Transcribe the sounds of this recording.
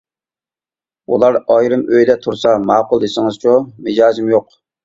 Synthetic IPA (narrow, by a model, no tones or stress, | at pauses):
ṵlˠɑɾɑjɾɨmøjd̪ɛt̪ʰuɾsɑmɑːqʊlˠd̪esɪŋɨzt͡ʃʰumɪd͡ʒɑːzimjoq